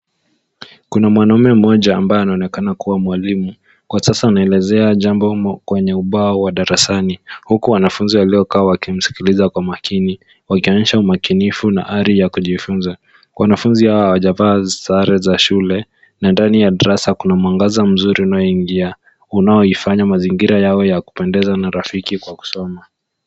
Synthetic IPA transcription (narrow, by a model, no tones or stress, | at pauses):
kunamwanaumɛm̩mɔʄaːmbajɔanaɔnɛkanakuwamwalimu | kwasasaːnaɛlɛzɛaʄambɔkwɛɲɛuɓaːwaɗaɾasanihukuwanafunziwaliɔkaːwakim̩si̥kilizakwamakini | wakiwaɲɛʃaumakinifuna̰ʔaɾijakuʄifunza | wʔanafunzihawahawaʄavaːzaɾɛzaʃulɛ | nandanijaɗaɾasakunamwaŋɡazam̩zuɾiunajɔiŋɡia | unajɔifaɲamaziŋɡiɾajawɔjaku̥pɛndɛzanaɾafikikwaku̥sɔma